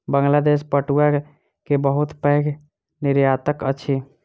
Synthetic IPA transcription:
bəŋɡlad̪espəʈua | kebəɦut̪pəɦk | niɾjat̪əkəːʃʰi

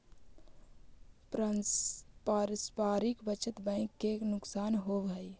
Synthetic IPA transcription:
paɾəspaɾikbət͡ʃʰət̪bə̃ɪkːeknʊksaːnɦobɦəj

